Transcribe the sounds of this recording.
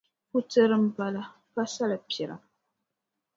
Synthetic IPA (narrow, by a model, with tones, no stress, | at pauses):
ku˦tɨ˦ɾɨ˦m̩˦pa˦la˦ | pa˦sa˦la˨pjɛ˨ɾa̰˨